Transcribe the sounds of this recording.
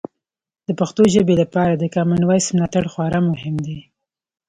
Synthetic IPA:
d̪̥əpaxt̪oʒəbelapɑɾad̪əkɑmanwajsmlɑt̪aɽxwɑɾamʊɦɪmd̪e

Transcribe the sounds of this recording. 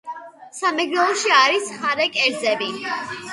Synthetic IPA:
samɛɡɾɛlˠɔʃiaɾisχaɾɛkʼɛɾd̪zɛbi

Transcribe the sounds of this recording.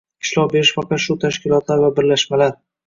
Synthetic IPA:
ɪʃlɒʁbe̞ɾɪʃfaqɑt̪ʃʊt̪ʰaʃkʲɪlˠɒt̪laɾvabɪɾlaʃmalaɾ

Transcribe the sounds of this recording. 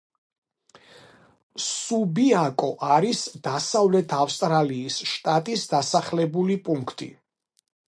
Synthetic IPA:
subiakʼɔʔaɾisd̪̥asavlɛt̪ʰafst̪ʼɾaliːsʃt̪ʼat̪ʼisd̪asaχlɛbulipʼuŋkʰt̪ʼḭ

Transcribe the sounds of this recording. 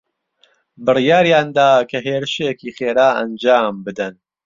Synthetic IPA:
bɨrjaːɾijaːnd̪aːkʰɐɦeːɾɨʃejɛkiːxeːɾaːɐ̰nd͡ʒaːmbɨd̪ɨn

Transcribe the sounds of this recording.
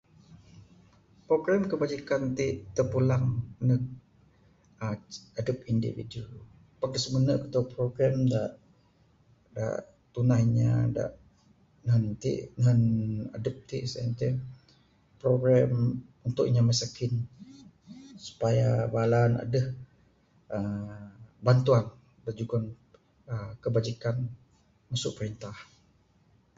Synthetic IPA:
pɾoɡɾɛmkəbad͡ʒikant̪iʔt̪əpulaŋnək̚ | aadəp̚indḭvḭdu | pak̚əsəmənəʔkə̥t̪upɾoɡɾɛmdaʔ | da̰ʔ | t̪unahɲa̰da̰ʔ | nəɦənt̪ḭʔnɦəna̰dəp̚t̪iʔsɛnt̪ə | pɾoɡɾɛmunt̪ʊʔɲaməsakɪn | su̥pajabalana̰dəh | ə | bant̪uan | dəd͡ʒuɡɔn | əkəbad͡ʒikan | masʊʔpəɾint̪ah

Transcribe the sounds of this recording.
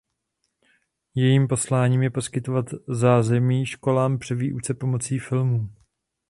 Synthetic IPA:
jɛjiːmpo̞slaːɲiːmjɛpo̞skɪt̪o̞vat̪zaːzɛmiːʃko̞laːmpr̝̥ɛviːʔut͡sɛpo̞mo̞t͡siːfɪlmuː

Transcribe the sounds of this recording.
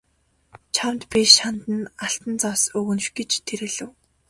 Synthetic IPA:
t͡ɕʰamt̪pʲiʃant̪ə̆naɬt̪ə̆nt͡sɔwsɵɣɵ̆nʃɡet͡ɕt̪ʰeɾɘ̆ɮɘ̆w

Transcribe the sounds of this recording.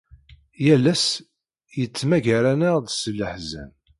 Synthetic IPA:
jælːæs | jət͡sːmæʝaɾænəʁðsəlːəħzæ̰n

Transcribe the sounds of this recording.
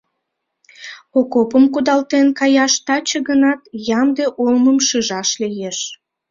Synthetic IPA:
okopəmkud̪ɑlt̪enkɑjɑʃt̪ɑt͡ɕəɣənɑt̪jɑmd̪eʔolməmʃəʒɑʃlijeʃ

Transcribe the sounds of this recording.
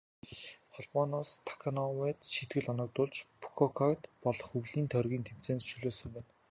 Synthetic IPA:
χɔɮmɔːnɔːst̪ʰḁkʰanɔwɛːt̪ʃit̪ɡɘ̆ɮɔnɞ̆k̚t̪ʊːɮt͡ɕpʰu̥kʰɔkʰakt̪pɔɮɞ̆χɵwɮiːnt̪ʰœrɣʲiːnt̪ʰem̥t͡seːnsʃuɮoːsɵ̆mpæːn

